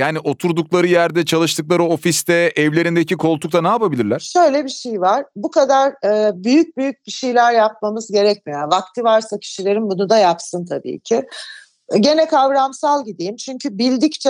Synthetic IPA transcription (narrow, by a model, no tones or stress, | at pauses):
jaːniʔo̞t̪ʰuɾd̪uklˠaɾɯjæɾd̪ɛt͡ʃʰalˠɯʃt̪ʰɯk̚lˠaɾɯo̞fist̪ɛɛvlʲe̞ɾind̪ecikʰo̞lˠt̪ʰukt̪anɛapabilʲiɾlʲæɾʃø̞jlʲɛbiʃejivaɾ̥bukʰad̪aɾːbyjyc̚byjyc̚biʃejlʲæɾjap̚mamɯzɟe̞ɾɛc̚mijanvakt̪ʰivaɾsacʰi̥ʃilʲe̞ɾimbunud̪ajapsɯnt̪ʰabḭːcʰɪ | ɟe̞nɛkʰavɾamsalˠɟid̪ijimt͡ʃʰyɲcʰybilʲd̪ict͡ʃʰɛ